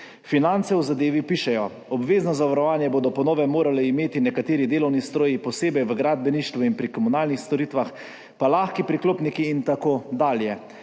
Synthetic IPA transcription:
finant̪sɛwzad̪eːʋipiːʃɛjɔ | ɔbʋeːznɔzaʋaɾɔʋaːnjɛboːd̪ɔpɔnoːʋɛmoːɾalɛimeːt̪inɛkat̪eːɾid̪eːlɔwnist̪ɾoːjipɔseːbɛjʋəɡɾaːd̪̚bɛniʃt̪ʋuinpɾikɔmunaːlnixst̪ɔɾiːt̪ʋax | palaːxkipɾikloːpnikiːnt̪akoːd̪aːljɛ

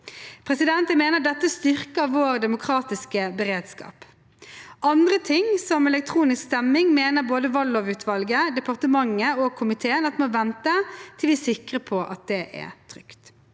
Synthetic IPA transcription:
pʰʁɛsɪd̪ɛnt̪əmeːnəʁd̪ɛt̪ːəst̪ʏʁkəʋoːʁd̪ɛmʊkʰɾɑːt̪ɪskəbəɾeːd̪skɑ̰ːp | ɑnd̪ʁət̪ʰɪŋsɔmɛlɛk̚t̪ʰɾuːnɪskst̪ɛmːɪŋmeːnəʁboːd̪əʋɑlːoːʋʉːt̪ʰʋɑlɡəd̪ɛpɑʁt̪əmɑŋːəoɡ̚kʰʊmɪt̪ʰeːənɑt̪mɔʋɛnt̪ət̪ʰɪlʋɪːsɪkɾəpʰɔʔɑt̪̚d̪ɛʔɛ̰t̪ʰʁʏkt̪

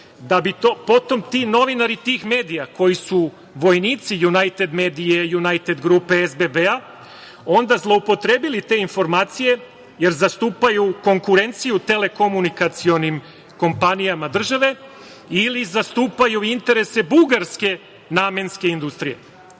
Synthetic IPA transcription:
d̪abit̪opo̞t̪o̞mt̪ino̞ʋinaɾit̪iːxme̞ːd̪ijako̞jisu | ʋo̞jniːt̪sijunajt̪e̞d̪me̞ːd̪ijejunajt̪e̞d̪ɡɾuːpe̞ezbebea | o̞nd̪azlˠo̞upo̞t̪ɾe̞ːbilit̪e̞info̞ɾmaːt̪sije̞ | je̞ɾzast̪uːpajuko̞ŋkuɾe̞nt̪sijut̪e̞le̞ko̞munikat̪sio̞nim | ko̞mpanijamad̪r̩ʒaʋe̞ | ilizast̪uːpajuint̪e̞ɾe̞se̞buɡaɾske̞ | naːmenske̞ind̪ust̪ɾije̞̰

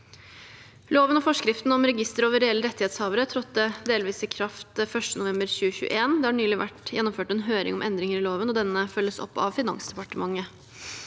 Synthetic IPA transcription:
loːʋənɔfɔʂkɾɪft̪n̩ɔmɾɛɡɪst̪əɾoːʋəɾɛɛlːəɾɛt̪ːɪheːt̪shɑːʋəɾət̪ʰɾɔt̪ːəd̪eːlʋiːsɪkʰɾɑft̪fœʂʈənʊʋɛmbəɾɕʉːəçʉ̰ːə̰ʔeːnd̪ɛhɑɳyːlɪʋæ̰ʈjɛnːɔmføːʈɛnɦøːɾɪ̰ŋɔmʔɛnd̪ɾɪŋəɾɪloːʋənɔd̪ɛnːəfœlːəsɔ̰pːɑ̰ʋfɪnɑ̰ŋsd̪ɛpɑʈəmɑŋːə

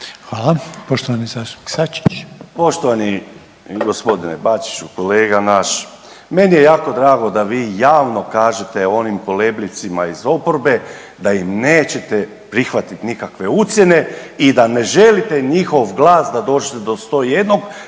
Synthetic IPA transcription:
xʋaːlˠapoʃt̪oʋanizaːst̪u̥pni̥ksat͡ʃi̥t͡ʃpo̞ʃt̪oʋani | ɡo̞spo̞d̪inebaːt͡ʃi̥t͡ʃukoleːɡanaʃ | me̞nije̞jaːko̞d̪ɾaːɡo̞d̪aʋiːjaːʋno̞kaːʒe̞t̪e̞o̞nimko̞le̞blit̪simaizo̞poɾbe̞ | d̪ajimne̞ːt͡ɕe̞t̪e̞ | pɾixʋat̪it̪nikakʋe̞ut̪sje̞ne̞id̪ane̞ʒe̞lit̪e̞ɲixo̞ʋɡlˠaːsd̪ad̪o̞ːd͡ʒet̪e̞d̪o̞st̪o̞ːje̞d̪no̞ɡ

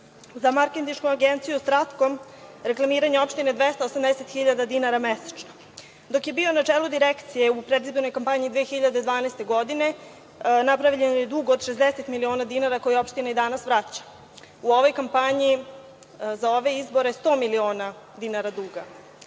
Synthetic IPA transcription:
zamaɾkent̪iʃkuaɡent̪sijust̪ɾat̪ko̞m | ɾe̞klˠamiːɾaɲeo̞pʃt̪ined̪ʋest̪aosamd̪eset̪xiʎad̪ad̪inaɾamese̥t͡ʃno | d̪o̞kje̞bionat͡ʂelud̪iɾekt̪sije̞upɾed̪izboɾno̞jkampaɲiːd̪ʋijexiʎad̪ed̪ʋaːnast̪e̞ɡo̞d̪ine̞ | napɾaʋiʎenojed̪uɡoːd̪ʃe̞zd̪ese̞t̪milio̞ːnad̪inaɾakojeo̞pʃt̪inaid̪anasʋɾat͡ɕḁ | uo̞ʋo̞jkampaɲi | zao̞ʋe̞izbo̞ɾest̪o̞ːmilio̞ːna | d̪inaɾad̪uɡa

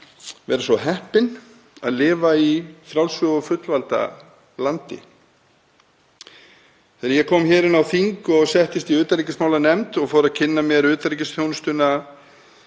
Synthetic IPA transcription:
vɛ̰ːɾasvɔɦɛhpɪn | a̰ðlɪːvaifɾawlsvʏɣɔfʏt̪lvalt̪a̰ | lant̪ɪ̰ | θɛɾjɛkʰɔːmçɛːɾɪnawθiŋkɔɣsɛht̪ɪst̪iʏːt̪aɾicɪsmawlanɛmt̪ɔɣfɔːɾaðcʰɪnːamjɛɾʏːt̪aɾicɪsθjownst̪ʏna

